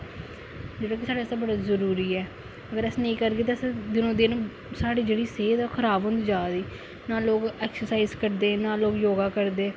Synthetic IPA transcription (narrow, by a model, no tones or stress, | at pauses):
d͡ʒeːɽaːkɪsaːɖeːst̪abəɽaːzəɾuːɾiːɛː | əɡəɾəsnĩːkəɾɡeːt̪̬asd̪ɪnõːd̪iñː | saːɽiːd͡ʒeːɽiːseːd̪kʰəɾaːbɦʊ̃nd̪iːd͡ʒaːd̪iː | naːloːkɛːksəɾsaːizkəɾd̪eːnãːloːkjoːɡaːkəɾd̪eː